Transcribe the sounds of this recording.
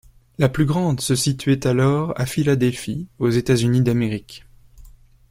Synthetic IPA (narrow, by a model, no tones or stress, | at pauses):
laplyɡʁɑ̃d̪səsit̪ɥɛt̪alɔʁa̰filad̪ɛlfiozet̪azynid̪ameʁik